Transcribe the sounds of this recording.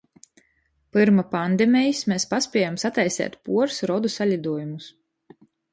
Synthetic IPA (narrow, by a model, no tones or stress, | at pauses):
pɨɾmapand̪ɛmʲɛjismeːspaspʲiɛjamsat̪ajsɛ̰ːt̪puɔɾsɾɔd̪usalʲid̪uɔjumus